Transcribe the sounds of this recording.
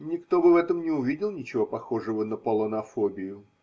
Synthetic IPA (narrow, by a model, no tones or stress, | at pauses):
nʲɪkt̪o̞bɨvɛt̪əmnʲɪʊvʲidʲɪlˠnʲɪt͡ɕɪvo̞pɐxo̞ʐɨvənəpəlˠənɐfobʲɪjʊ